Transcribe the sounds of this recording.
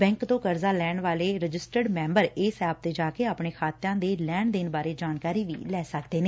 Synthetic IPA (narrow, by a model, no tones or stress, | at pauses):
bɛ̃ːŋkt̪õːkəɾzaːlɛːɳʋaːleːɾəd͡ʒɪsʈəɖmɛ̃ːmbəɾeːsɛːb̚t̪eːd͡ʒaːkeːaːpɳeːkʰaːt̪jãːd̪eːlɛːɳd̪ɪnbaːɾeːd͡ʒaːnkaːɾiːʋḭːlɛːsəkd̪eːneː